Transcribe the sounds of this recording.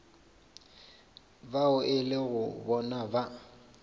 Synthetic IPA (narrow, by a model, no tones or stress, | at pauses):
baʊʔɪlɪɣʊbɔnaba